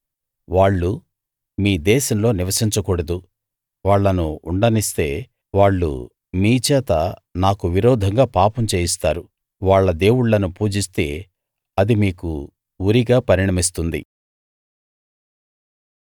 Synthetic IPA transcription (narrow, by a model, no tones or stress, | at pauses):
ʋaːɭːu | miːd̪ɛːʃɐmlo̞ːniʋɐsiɲt͡ʃɐkuːɽɐd̪u | ʋaːɭːɐnuːɳɖɐnist̪e̞ː | ʋaːɭːṵ | miːt͡ʃɛːt̪ɐnaːkuʋiɾɔːd̪ʱɐŋɡaːpaːpɐmt͡ʃeːjist̪aːɾu | ʋaːɭːɐd̪e̞ːwuɽːɐnupuːd͡ʒist̪e̞ː | ɐd̪imiːkṵ | uɾiɡaːpɐɾiɳɐmis̬t̪und̪ḭ